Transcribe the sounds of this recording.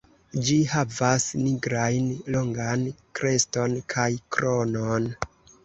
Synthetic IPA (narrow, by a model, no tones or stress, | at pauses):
d͡ʒihavasniɡɾajnlo̞ŋɡankɾʔe̞sto̞nkʰajkɾonon